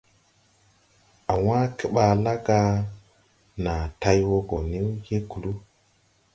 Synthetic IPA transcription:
a˨wã˦ki˦ɓa˨la˦ɡa˦ | na˨ta˦jwo˦ɡo˨ni˦wje˦ku˨lu˦

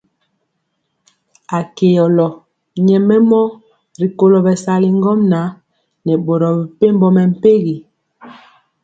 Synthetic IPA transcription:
a˨ke˨jɔ˨lɔ˨ | ɲɛ˨mɛ˦mɔ˦ | ɾi˨ko˨lo˨bɛ˨sa˨li˨ŋɡɔ˦mna˨˦ | nɛ˨ɓo˨ɾɔ˨bi˨pe˦m˦bɔ˦mɛ˨m̩˦pe˦ɣi˨

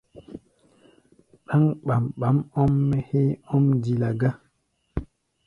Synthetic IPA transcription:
ɗa˦ŋɓa˨mɓa˨˦mɔ˦mːɛ˦he˦ɔ˦mdi˨la˨ɡa˦

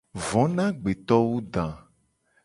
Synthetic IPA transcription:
vɔ̃˨˦nã˦ɡ͡be˨t̪ɔ˦wu˦ɖ̪ã˨

